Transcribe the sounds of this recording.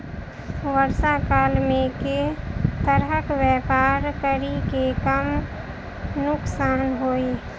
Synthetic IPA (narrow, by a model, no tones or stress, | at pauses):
ʋəɾsakaːlmẽket̪əɾɦəkwjɛpaːɾkəɾikekəm | nʊksaːnɦoːe